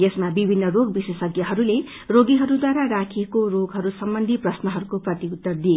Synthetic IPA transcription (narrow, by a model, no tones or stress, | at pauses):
jesmabibʱinːʌroɡbisesʌɡjʌɦʌɾule | roɡiɦʌɾud̪waɾaɾakʰiekoroɡɦʌɾusʌmbʌnd̪ʱiprʌsnʌɦʌɾukoprʌt̪iut̪ːʌrd̪ie